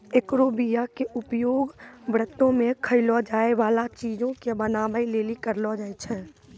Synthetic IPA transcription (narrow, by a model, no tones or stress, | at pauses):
ɪkɾoːbijakeʔʊpjoːɡbɾət̪ːõmẽkʰəilɔd͡ʒaːeʋaːlat͡ʃiːd͡ʒõkebənaːbəileːlikəɾlɔd͡ʒaːet͡ʃʰɛː